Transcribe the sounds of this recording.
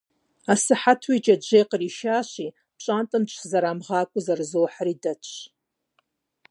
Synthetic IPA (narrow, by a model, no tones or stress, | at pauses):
asɨħatʰwid͡ʒʼad͡ʒʷejqʼəriʃaʃʷi | pʰt͡ʃʷʼantʼɨnt͡ʃʷʰzaɾamʁaːkʷʼʊzarzowħaridat͡ʃʷʰ